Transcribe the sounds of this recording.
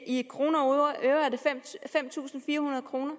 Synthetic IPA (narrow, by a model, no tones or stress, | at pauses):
ikʰʁo̝ːnɐoɐʔøʊɐæɐde̝femfem̰t͡sʰṵːsn̩fiːɐhunɐðˠkʰʁo̝ːnɐ